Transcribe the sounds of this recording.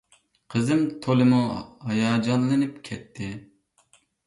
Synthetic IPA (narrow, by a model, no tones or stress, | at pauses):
qʰəzɨmt̪ʰolˠɨmuhɑjɑːd͡ʒɑnlˠɨnɨpkʲʰɛt̪ʰːɪ